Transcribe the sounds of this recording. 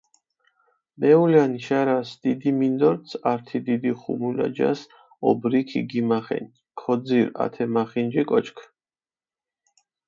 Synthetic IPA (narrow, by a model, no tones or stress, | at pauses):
mɛulaniʃaɾasd̪id̪imind̪ɔɾt̪sʰaɾt̪ʰid̪id̪iχṵmula̰d͡ʒa̰s | ɔbɾikʰḭɡimaχɛ̰n | kʰɔd̪ziɾa̰t̪ʰɛmaχind͡ʒikʼɔt͡ʃʰkʰ